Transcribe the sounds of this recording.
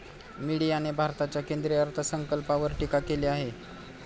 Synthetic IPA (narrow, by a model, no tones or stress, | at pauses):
miɽijañebʱaɾt̪at͡ɕjakend̪ɾiəɾt̪ʰəsəŋkəlpaʋəɾʈikakeleaɦe